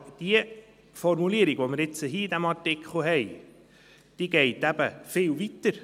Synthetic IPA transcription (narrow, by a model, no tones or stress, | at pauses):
d̥iə | fɔɾmuliəɾiɡ̥ʋoməɪɾɪt͡səɦiːid̪æmɑɾtɪkχl̩ɦɛɪ | d̥iːɡ̥ɛɪtæb̥əfɪːlvit̪əɾ